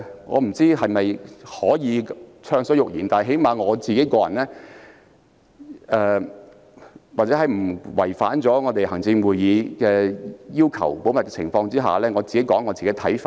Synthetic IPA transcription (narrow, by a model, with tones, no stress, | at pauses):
ŋɔ̰ː˨˧m̩˨˩t͡siː˥ɦɐ˨jmɐ˨jhɔː˨˥jiː˨˧t͡ʃʰœː˧ŋsɔ˨˥wjʊ˨k̚jḭː˨˩nt̪aː˨˩ɦe˨˥jmaː˨˧ŋɔː˨˧t͡siː˨ke˨˥jkɔː˧jɐ̰˨˩nlɛː˥ | ɛː˧ | waː˨t̚t͡sɛː˨˥hɐ˨jm̩˨˩wɐ̰˨˩jfaː˨˥nt͡sɔː˨˥ŋɔː˨˧t̪e˨jɦɐ˨˩ŋt͡siː˧nwuː˨jiː˨˧kɛː˧jiː˥wkʰɐ̰˨˩wpo˨˥wmɐ˨t̚kɛ˧t͡sʰɪ˨˩ŋfɔː˧ŋt͡siː˥ɦa̰ː˨lɛː˥ŋɔː˨˧t͡si˨ke˨˥jkɔː˨˥ŋːɔː˨˧t͡siː˨˩ke˨˥jt̪ʰɐ˨˥jfaː˧˥